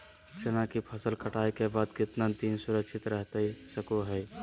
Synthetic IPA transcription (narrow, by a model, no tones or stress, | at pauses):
t͡ʃənakipʰəsəlkəʈaːekebaːd̪kɪt̪nat̪iːnsʊɾəkʃɪt̪ɾɛɦt̪aisəkoɦɛː